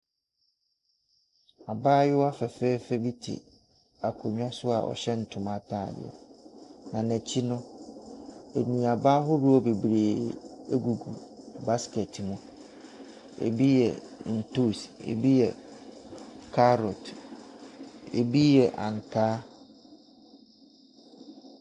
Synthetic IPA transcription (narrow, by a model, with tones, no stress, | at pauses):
a˨baː˦jɪ˦wa˦fɛ˨fɛ˦fɛ˦bi˦tʰḭ˨ | a˨kʰo˨ɲᶣ˦ã˦sʊ˦a̰˨ʔɔ̰˨ɕɛ˦n̩˨tʰʊ̃˨ma˨tʰaː˦˨dɪ̰˨ɛ̰˨nã˨næ̃˨t͡ɕʰi˦nʊ̃˦ | e˨nĩ˨a˨baː˦ɦʊ˦ɾʊ˦ɔ˦be˨bɾeː˨e˦ɡu˨ɡu˨ba˦skɛ˨tʰmʊ̃˦ | ḛ˨bi˦jɛ˨n̩˨to˦sḛ˨bi˦jɛ˨ | kʰa˦ɾɔ˨t | ḛ˨bi˦jɛ˨ʔã˨ŋ˨tʰaː˦